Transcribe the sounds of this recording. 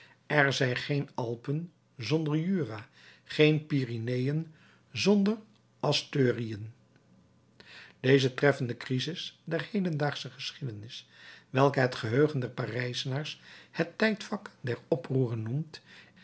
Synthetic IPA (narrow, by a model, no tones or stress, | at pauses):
ɛɹzɛjnχejnɑlˠpən | zɔndəɹjyːraː | χejnpiːrinejən | zɔndər | ɑstøːriən | d̥ejzətrɛfəndəkrizɪsdɛɹhejdəndaːχsəχəsχidənɪsʋɛlˠkəɦɛtχəɦøɥχəndɛɹparɛjsənaːɹshətːɛjtfɑkdɛɹɔpruːrənːumt